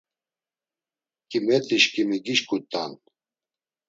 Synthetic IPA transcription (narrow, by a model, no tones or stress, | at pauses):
kimɛt̪iʃkimiɡiʃkut̪ːa̰n